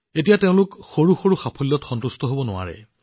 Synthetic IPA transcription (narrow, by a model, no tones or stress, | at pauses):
etijateʊ̃lʊkxoɹuxoɹuxapʰɔlːɔtxɔntustʰɔɦobɔnʊwa̰ɹɛ̰